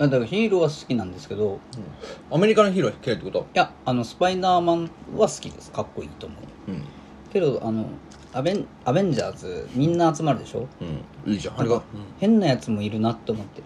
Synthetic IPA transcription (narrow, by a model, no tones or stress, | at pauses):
jad̪aɡaçiːɾo̞βasɨ̥kʲinãnd̪e̞sɨ̥ke̞d̪o̞ | ame̞ɾʲikanoçiːɾoai̥ket̪ːekot̪ojaano̞sɨ̥paid̪aːmãɴβasɨ̥kʲid̪e̞sɨ̥kakːo̞ḭːt̪o̞ːmo̞ɯn | ke̞d̪o̞ʔano̞̰ | abẽ | abẽ̞ɲ̟d͡ʑaːzɨmʲĩnːaːt͡sɨmaɾɯ̟d̪e̞ɕõ̞̰ | hẽ̞nːajat͡sɨmo̞iɾɯ̟nat̪ːe̞omo̞t̪ːe̞